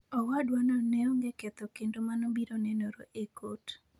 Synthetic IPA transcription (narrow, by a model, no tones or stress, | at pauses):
ɔwadwanɔnɛoŋɡekɛt̪ɔkendomanɔbiɾonɛnoɾo̰ʔekot